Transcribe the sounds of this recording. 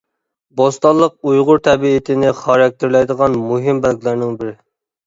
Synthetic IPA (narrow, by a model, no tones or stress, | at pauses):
bost̪ɑlˠːəq̚ujʁʊɾt̪ʰɛbiɪt̪ʰɪnɪχɑɾɛk̚ʲt̪ʰɪɾlˠɛjd̪əʁɑnmuɦɪmbælɡʲlˠæɾnɪŋbɪɾɪ